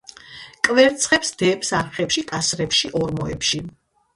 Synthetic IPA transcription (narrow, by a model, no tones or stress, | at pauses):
kʼvɛɾt̪sʰχɛpsd̪̥ɛpsaɾχɛpʃikʼasɾɛpʃiʔɔɾmɔɛpʃi